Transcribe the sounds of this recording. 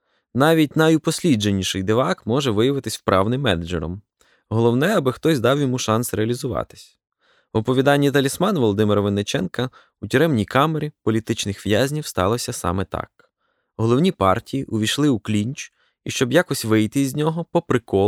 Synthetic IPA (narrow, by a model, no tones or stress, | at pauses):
nɑʋʲit̚ʲnɐjʊpɔsʲlʲid͡ʒenʲiʃɪjd̪eʋɑkmɔʒɛʋɪjɐʋɪt̪ɪsʲwpɾʔɑ̰wnɪmːɛnɛd͡ʒɛ̰ɾɔ̰m | ɦɔlˠɔwnɛɐbɪxt̪ɔsʲd̪ɑwjɔmuʃɑnsɾeɐlʲizʊʋɑ̰t̪ɪ̥sʲ | ɔpɔʋʲid̪ɑnʲːit̪ɐlʲismɑnʋɔlˠɔd̪ɪmɪɾɔʋenet͡ʃɛnkɐ | utʲiɾɛmnʲijkɑmeɾʲipɔlʲit̪ɪt͡ʃnɪxʋjazʲnʲiwst̪ɑ̰lˠɔsʲɐsɑ̰mɛt̪ɑ̰k̚ | ɦɔlˠɔwnʲipɑ̰rtʲijiʔʊʋʲijʃlˠɪuklʲinʲt͡ʃ | iʃt͡ʃɔbjakɔsʲʋɪjt̪ɪzʲnʲɔɦɔpɔpɾɪkɔ